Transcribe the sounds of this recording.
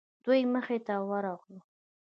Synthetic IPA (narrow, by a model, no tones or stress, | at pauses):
d̪ujməxet̪awəɾɑɣlu